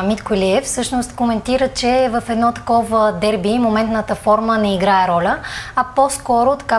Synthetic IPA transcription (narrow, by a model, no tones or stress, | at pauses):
mit̪koliɛfsɤʃnost̪komɛnt̪iɾət͡ʃɛvəfɛd̪nɔt̪ɐ̥kɔvəd̪ɛɾbimomɛnt̪nət̪əfɔɾmənɛiɡɾaɛɾɔlʲəɐposkɔɾot̪ɐ̥ka